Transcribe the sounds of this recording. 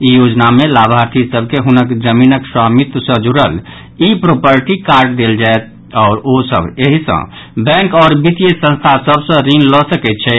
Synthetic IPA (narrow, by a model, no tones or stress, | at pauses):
ijod͡ʒnamelabʱaɾt̪ʰisəb̚ʱkeɦunəkd͡ʒəminəkswamit̪sə̃d͡ʒuɾəl | ipɾopəɾʈikaɾɖd̪eld͡ʒaet̪̚ | ɔːɾosə̰bʱeɦisə̰̃ | bɛ̃ŋkɔːɾbit̪ijesə̃nst̪ʰasəbsə̃ɾinlɔsəkɛt̪̚t͡ʃʰɛ